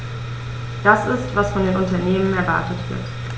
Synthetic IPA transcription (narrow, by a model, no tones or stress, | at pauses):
d̥asɪstv̥asfɔndeːnʔʊntɐneːmənɛɐva̰ɐtətv̥ɪ̰ɐt